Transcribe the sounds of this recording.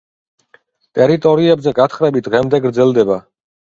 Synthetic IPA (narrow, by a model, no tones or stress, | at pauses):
t̪ʼɛɾit̪ʼɔɾiɛbzɛɡat̪χɾɛbit̪̚ʰʁɛmd̪ɛɡɾd̪zɛlˠd̪ɛba